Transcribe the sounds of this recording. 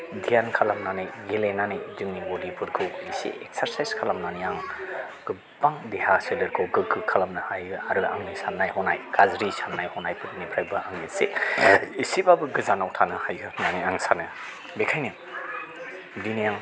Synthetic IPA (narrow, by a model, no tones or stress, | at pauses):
dijankʰalamnaniɡelenanidɯŋnibodipʰuɾkʰɯwisḭʔek̚saɾsajskʰalamnaniaŋ | ɡ̥ɯ | b̥aŋdehaselɯɾkʰɯwɡɯɡɯkʰalamnɯhajɯaɾɯa̰ŋnisannːajhɔnajɡazɾisamnajhɔnajpʰɯɾinipʰɾajbɯaŋnisḛ | isibabɯɡɯzanawtʰanɯhajɡɯnaniaŋsanɯ | bekʰajni | dinijaŋ